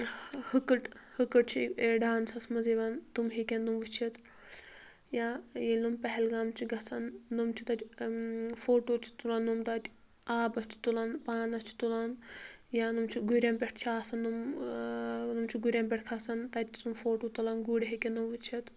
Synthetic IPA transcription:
hɨkɨʈhɨkɨʈ̚t͡ʃʰieɖaːnsɐsmɐzeʋant̪umɦikʲennumʋɨt͡ʃʰɐt̪ | jajilumpɐɦɛlɡaːmt͡ʃʰiɡɐsʰɐnːumt͡ʃʰit̪ɐt̪ʲ | foːʈoːt͡ʃʰi̥t̪ulɐnːumt̪ɐt̪ʲ | aːbɐst͡ʃ̪ʰi̥t̪ulɐnpaːnɐst͡ʃʰt̪ulɐnjanumt͡ʃʰiɡuɾʲampʲeʈʰt͡ʃʰiaːsɐnːum | numt͡ʃʰiɡuɾʲampʲeʈʰkʰaːsɐnt̪ɐt̪ʲʰt̪umfoːʈoːt̪ɐlɐnɡuɽʲɦikenumʋɨt͡ʃʰɐt̪

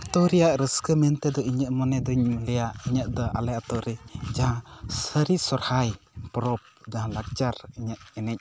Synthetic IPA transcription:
t̪ɔɾɛjaʔɾəskəmɛnt̪ɛd̪ɔiɲəʔmɔnɛd̪ɔɲmlɛjaʔiɲəʔd̪ɔʔa̰lɛat̪ɔɾɛd͡ʒaɦãsəɾisɔɾhaj | pɔɾɔp̚d͡ʒaɦãlak̚t͡ʃaɾiɲəʔɛnɛc̚

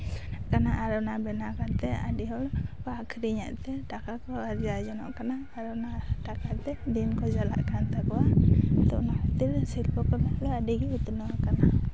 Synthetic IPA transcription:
kanaʔaɾɔnabɛnakaɾt̪ɛaɖiɦɔlpakʰɾiɲa̰ʔt̪ɛʈakakɔaɾd͡ʒad͡ʒɔnɔ̰ʔkanaːɾɔnaʈakaɾt̪ɛd̪inkɔd͡ʒala̰ʔkant̪akɔwat̪ɔʔnahat̪iɾsilpɔkɔlalɔadiɡɛut̪unɔwakana

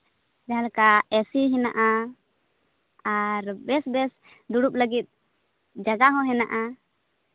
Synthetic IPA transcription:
d͡ʒaalkaɛsiɦinaʔa | aɾbɛsbɛs | d̪uɽup̚ləɡit̪̚ | d͡ʒaɡaɦɔ̃ɦɛnaʔa

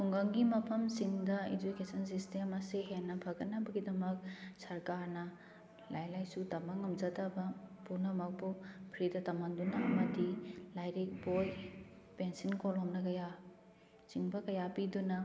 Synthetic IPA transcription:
tʰuŋɡaŋɡimɐpʰɐmsiŋdɐḭd͡ʒukesɐns̬istemɐsiɦenːɐpʰɐɡɐnːɐbɐɡidɐmɐk̚sɐɾkaɾnɐ | lajlajsutɐmaŋːɐmzɐtɐbɐpuɾnɐmɐk̚pupʰɾidɐtɐmaŋdunɐɐmɐdilajɾek̚boj | pensinkolɦomnɐkɐja | t͡ʃiŋbɐkɐjapidunɐ

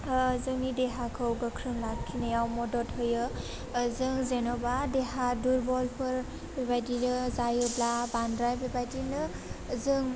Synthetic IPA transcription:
zɯnideɦakʰɯwɡəkʰɾɯnlakʰːinejawmɔdɔthɔjɯ | zɯŋzenɔbadeɦaduɾbɔlpʰɯɾ | bebajdinɯzajɯblabandɾajbebajdinɯ | zɯŋ

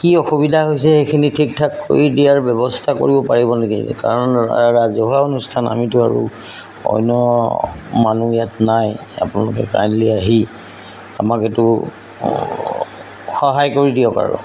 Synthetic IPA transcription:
kiɔxubidʱaɦojs̬ɛxekʰinitʰik̚tʰakːo̰ɹidijaɹbjɛbɔstʰako̰ɹibɔpaɹibɔneɡḭka̰ɹɔnɹazɔɦaonustʰana̰mitʊaɹṵ | ɔ̰jnɔ | manuijatnaj | a̰pʊnalʊkɛ̰ka̰jnliaɦi | a̰maketʊ | xɔɦajkoɹidijɔka̰ɹɔ̰

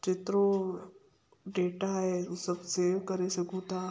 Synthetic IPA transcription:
t͡ʃɪt̪ɾo | ɖeːʈaɦesɐbseːʋkɐɾesɐkũt̪ʰa

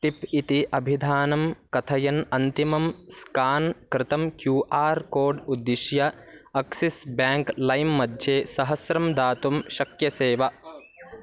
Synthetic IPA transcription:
ʈ̪ipit̪iʔɐbʱid̪ʱaːnɐmkɐt̪ʰɐjɐnɐnt̪imɐmskaːnkɾɪt̪ɐmkjuːʔaːɾkoːɾɖud̪ːiʃjɐ | ɐksisbjaːŋklɐjmːɐd̪ʱjeːsɐɦɐsɾɐmd̪aːt̪umʃɐkjɐseːʋɐ

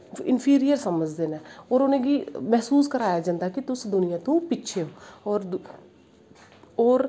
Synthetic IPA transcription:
ɪnpʰiːɾijəɾsəməd͡ʒd̪eːnɛːɔːɾʊnẽːɡiːmɛɦsuːskəɾaːjaːd͡ʒãːnd̪aːkɪt̪ʊsd̪ʊnɪjãːt̪ũːpɪːt͡ʃʰeːoːɔːɾ | ɔːɾ

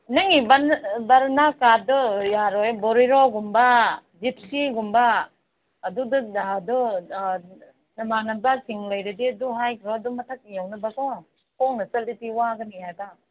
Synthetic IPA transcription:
nɯŋibanbaɾnakadɔjaɾɔjbɔɾiɾɔɡumbad͡ʒip̚siɡumbaː | dudɯdu | nɐmanabasʰiŋlɐjɾɯdiɐduɦajkʰɾɔdumɐtʰak̚ijawnɐbakɔ | koŋnɐsɐlitiwaɡɯnihaɡa

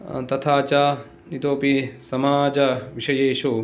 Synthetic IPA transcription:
t̪ɐt̪ʰaːt͡ʃaː | nit̪oːpisɐmaːd͡ʒɐʋiʃɐjeːʃo

